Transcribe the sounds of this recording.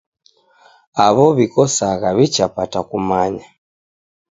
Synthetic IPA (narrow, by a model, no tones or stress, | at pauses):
aβɔβikɔsaɣaβit͡ʃapatakumaɲa